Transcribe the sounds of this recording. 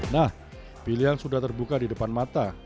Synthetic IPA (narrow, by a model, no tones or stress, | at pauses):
nah | piliɦansudaht̪ərbukadidəpanmat̪a